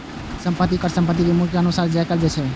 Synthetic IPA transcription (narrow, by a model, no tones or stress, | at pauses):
sə̃mpət̪ːikəɾsəmpət̪̬ːibimukjəənusaːɾd͡ʒɛkəɾd͡ʒɛt͡ʃʰɛ